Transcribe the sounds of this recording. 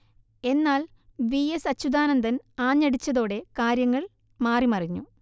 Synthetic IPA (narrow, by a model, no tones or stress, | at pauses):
e̞nːaːl | ʋiesɐt͡ɕːud̪aːnɐnd̪ɐnaːɲːɐɽit͡ɕːɐðo̞ːɽe̞kaːɾjɐŋːɐɭ | maːrimɐriɲːu